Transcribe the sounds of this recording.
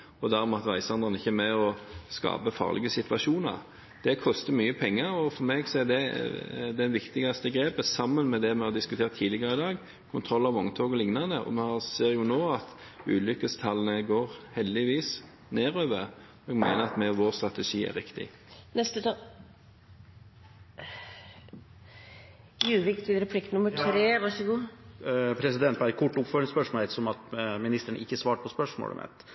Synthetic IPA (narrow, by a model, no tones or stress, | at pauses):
ɔd̪æɾmɛɑt̪ʋæɪsɑnd̪ɑnəɪçːəmɛɔskɑ̰ːpəfɑ̰ːʁlʔɪ̰ɡəsɪt̪ʋɑʃuːnɑ̰ɾ | d̪̥ɛkʰɔst̪əmyːəpʰɛŋːəɾɔfɔɾmɛeːɡsɔɛd̪ɛ | d̪ɛnʋɪkt̪ɪɡɑst̪əɡɾeːpəsɑmːənmɛd̪ɛmɛhɑd̪ɪskʉt̪ʰeːʁt̪ʰːiːlɪɡəɾəɪd̪ɑːɡ | kʰʊnt̪ʰɾɔlːɑʋɔŋt̪ʰoːɡɔlɪŋnɑnd̪əʔɔ̰mɛhɑseːɾjʊnoːɑt̪ | ʉːlʏkəst̪ʰɑlːənəɡoːɾhɛld̪ɪʋiːs | neːɾøːʋəʁ | ɛɡmeɪnəɾɑt̪mɛʋoːʁst̪ɾɑt̪ɛʂiːæ̰ɾɪkt̪ɪ̰ | nɛst̪ət̪ː | jʉːʋɪkt̪ʰʋɪɾɛpʰlɪkt̪nʊmːəʈʰɾeːʋɑʂɔɡuː | pʰɾɛsɪd̪ɛnt̪̚bæɪkʰʊʈːʊpføːɾɪŋspœʂmoːɛt̪sɔmɑt̪mɪnɪst̪əɳə̰ʔɪkːəsʋɑːʈpʰɔspœʂmo̰ːlə̰mʔɛ̰t̪